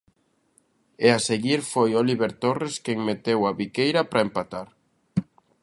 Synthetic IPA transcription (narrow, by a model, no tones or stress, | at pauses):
easeɣiɾfojoliβeɾt̪oreskeŋmet̪ewaβikejɾapɾaempat̪aɾ